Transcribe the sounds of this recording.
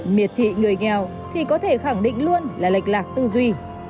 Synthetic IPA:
mi˨˩ət̚t̪ʰḭ˧˨ŋɨ˨˩əjŋɛ˨˩w | t̪ʰi˨˩kɔ˨˦t̪ʰe˧˩xa˧˩ŋɗḭ˧˨ŋ̟lu˧ənlaː˨˩la˨˩jk̟̚laː˨˩k̚t̪u˧zwi˧

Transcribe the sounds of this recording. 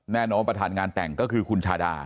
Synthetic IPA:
nɛː˥˩nɔː˧˥pɾa˧t̪ʰaː˨˩˦nŋaː˧nt̪ɛ̰˨˩ŋkɔː˥˩kʰɯː˧kʰu˧nt͡ɕʰaː˧da̰ː˧

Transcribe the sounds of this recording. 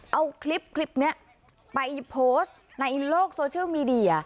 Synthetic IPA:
ʔə˧wkʰli˦˥p̚kʰli˦˥p̚ni˧˥ə | pa˧jpʰo˦˥s | na˧jloː˥˩k̚so˧t͡ɕi˧mi˧ɗi˧˩a˨˩

